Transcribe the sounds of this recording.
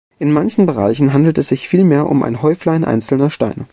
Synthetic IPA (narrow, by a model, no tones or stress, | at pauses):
ʔɪnmançn̩bəʁ̞a̰ɪçn̩ɦandl̩tɛsz̥ɪçfiːlmeːɐʔʊ̰mʔa̰ɪnɦɔʏflɐɪnʔa̰ɪnt͡sl̩nɐʃta̰ɪnə